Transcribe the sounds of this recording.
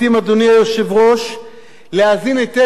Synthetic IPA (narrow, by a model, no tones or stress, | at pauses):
imad̪oniajoʃevʁo̞ʃ | leazinejt̪e